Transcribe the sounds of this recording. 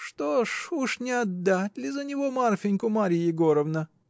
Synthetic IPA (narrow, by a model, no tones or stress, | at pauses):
ʂt̪oʂuʂnʲɪɐd̪ːatʲlʲɪzənʲɪvo̞marfʲɪnʲkʊmaɾʲijɪɡoɾəvnə